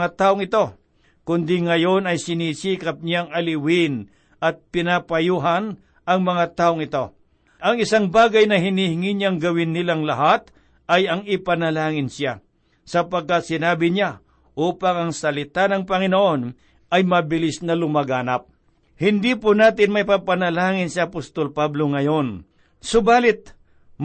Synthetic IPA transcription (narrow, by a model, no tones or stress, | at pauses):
at̪aːʔoŋɪt̪o̞ | kʊnd̪ɪŋɐjo̞nɐjsɪniːsiːkɐp̚ɲaŋɐlɪwɪn | ʔɐt̪̚pɪnapɐjuːɦɐn | ʔɐŋmɐŋat̪aːʔoŋɪt̪o̞ | ʔɐŋɪsaŋbaːɡɐjnɐɦɪnihɪŋiɲaŋɡɐwɪnːɪlaŋlɐɦat̪̚ | ɐjɐŋɪpɐnɐlaːŋɪnsja | sɐpɐɡ̚kat̪̚sɪnaːbɪɲa | ʔuːpaŋɐŋsɐlɪt̪anɐŋpɐŋɪnoʔo̞n | ɐjmɐbɪlɪsnɐlʊmɐɡaːnɐp̚ | hɪnd̪iːpʊnaːt̪ɪnmɐjpapɐnɐlaːŋɪnsjaʔːpost̪olpablo̞ŋɐjo̞n | sʊbaːlɪt̪̚